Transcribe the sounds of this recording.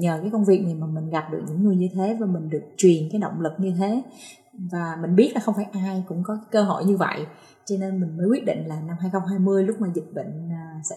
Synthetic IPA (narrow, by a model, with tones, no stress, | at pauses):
ɲəː˨˩kaː˨˦jkə˧wŋ͡mvi˨˩ək̚na˨˩jmaː˨˩mï˨˩ŋ̟ɣa˨˩p̚ɗɨ˨˩ək̚ɲɨ̰˧˥ŋŋɨ˨˩əɲɨ˧t̪ʰe˨˦vaː˨˩mï˨˩ŋ̟ɗɨ˨˩ək̚t͡ɕwi˨˩ənkaː˨˦jɗo̰˧˨wŋ͡mlɨ˨˩k̚ɲɨ˧t̪ʰe˨˦ | vaː˨˩mï˨˩ŋ̟ɓi˦˥ət̚laː˨˩xə˧wŋ͡mfaː˧˩jʔaː˧jkʊ̰˧˥ŋ͡mkɔ˨˦˨kəː˧ɦo˧˩˨jɲɨ˧və̰˧˨j | t͡ɕɔ˧ne˧nmï˨˩ŋ̟məː˨˦kwi˦˥t̚ɗḭ˧˨ŋ̟laː˨˩na˧mhaː˧jxə˧wŋ͡mɦaː˧jmɨ˧əjlʊ˦˥k͡p̚maː˨˩zi˨˩t̚ɓə̰˧˨ŋ̟ː˨˩sɛ̰˧˥